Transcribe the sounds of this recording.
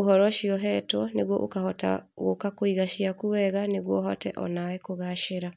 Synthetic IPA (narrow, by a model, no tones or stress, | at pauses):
oɦɔɾɔʃiɔɦɛtwɔneɣwɔʔo̰kahɔta̰ɣokakoiɣaʃiakuwɛɣaneɣwɔɦɔtɛ̰ʔɔ̰nawɛkoɣaʃeɾa